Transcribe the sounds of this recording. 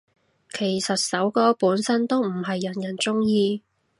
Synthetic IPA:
kʰe˨˩jsɐ˨t̚sɐ˨˥wkɔː˥puː˨˥nsɐ˥nt̪o˥wm̩˨˩ɦɐ˨jːɐ˨˩njɐ˨˩nt͡sʊ˥ŋjiː˧

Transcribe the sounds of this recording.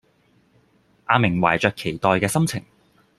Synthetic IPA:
ʔaː˧mɪ˨˩ŋwa̰ː˨˩jt͡ʃœː˨kʰːe˨˩jt̪ɔː˨jkɛː˧sɐ˥mt͡sʰɪ̰˨˩ŋ

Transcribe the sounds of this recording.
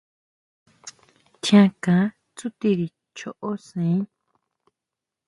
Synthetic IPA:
t̪ʰjã˧kã˨˦ | t͡su˦t̪i˦˧ɾi˧ | t͡ʃo˧ʔo˦sẽ˨ĩ˦

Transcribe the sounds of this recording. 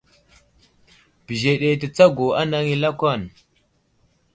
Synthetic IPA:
bi˨ʒe˨ɗe˨tə˨t͡sa˦ɡo˨a˦na˦ŋi˦la˦ka˦˨n

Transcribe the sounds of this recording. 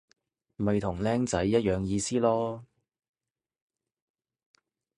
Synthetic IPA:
mɐ˨jt̪ʰʊ˨˩ŋlɛː˥ŋt͡sɐ˨˥jːɐ˥t̚jœː˨ŋjiː˧siː˥lɔː˥

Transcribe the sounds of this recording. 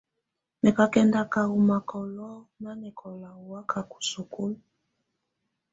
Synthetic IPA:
nɛ˨ka˦kɛ˦nda˦ka˨ɣu˨ma˨kɔ˨lɔ˦na˦nɛ˨kʰɔ˨la˨u˨wa˦ka˨ku̥˨so˨ko˦l

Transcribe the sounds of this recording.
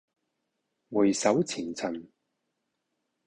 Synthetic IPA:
wu˨˩jsɐ˨˥wt͡sʰiː˨˩nt͡sʰɐ˨˩n

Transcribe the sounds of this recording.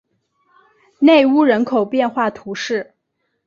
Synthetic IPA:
ne˥˩˧ɪu˥ɻə˧˥nkʰo˨˩ʊpjɛ˥˧nxwa˥˩t̪ʰu˧˥ʂɻ̩˥˩

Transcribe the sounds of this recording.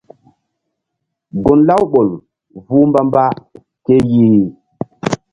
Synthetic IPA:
ɡo˨nla˦wɓo˨l | vu˦mba˦mba˦ | ke˦ji˦ɾi˨

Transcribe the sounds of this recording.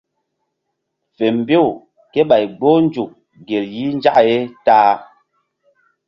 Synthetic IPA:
fe˨m˨bo˦˨w | ke˦ɓa˨jɡ͡bo˦n˦d͡ʒu˨k̚ | ɡe˨lji˨˦n˦d͡ʒa˦ʔe˦taː˦

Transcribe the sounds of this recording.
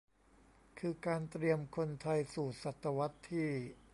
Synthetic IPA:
kʰɯː˧kaː˧nt̪ɾi˧əmkʰo˧nt̪ʰa˧jsuː˨˩t̪̚sa˨˩t̪ːa˧wa˦˥t̪ʰːiː˥˩

